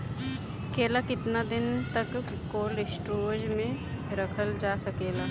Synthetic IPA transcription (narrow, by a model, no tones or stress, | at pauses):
keːlakɪt̪nad̪ɪnt̪əkː | oːlɪsʈɾoːd͡ʒmẽ | ɾəkʰəld͡ʒaːsɐkeːlaː